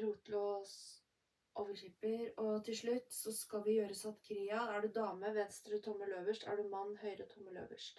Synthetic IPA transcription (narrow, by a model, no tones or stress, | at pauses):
ɾuːt̪loːs | ʔoːʋəçɪpəɾɔt̪ʰɪlʂɭʉt̪ːsɔskɑlʋɪjøːɾəsɑt̪kʰɾiːɑæɖʉd̪ɑːməʋɛnst̪ɾət̪ʰɔmːəløːʋəʂʈæ̰ɖʉmɑnːhœʏɾət̪ʰɔmːəlø̰ːʋə̰ʂʈ